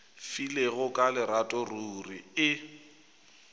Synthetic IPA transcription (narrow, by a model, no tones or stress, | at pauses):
fileɣʊkʼalɪɾatʼɔruːriɪ